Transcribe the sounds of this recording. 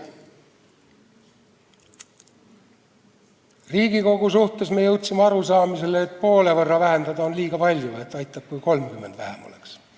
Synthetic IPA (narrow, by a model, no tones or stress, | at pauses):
riːɡ̥iko̞ɡ̥usuht̪e̞smejɤwt̪ʲsimeɑɾusɑːmise̞leːt̪̚po̞ːle̞vɤrːɑvæɦe̞nd̪ɑd̪ɑonliːɡ̥ɑpɑlʲjue̞t̪ːˑɑjt̪ːˑɑb̥̚kujko̞lmkymːe̞nd̪væhemo̞̰lḛks